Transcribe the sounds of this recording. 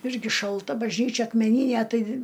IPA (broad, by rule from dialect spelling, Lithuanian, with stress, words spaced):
ˈɪrʲɡʲɪ ʃɐlˠˈtɐ bɐʒʲˈnʲiːt͡ʃʲɛ ɐkmʲɛˈnʲiːnʲæ ˈtɐɪ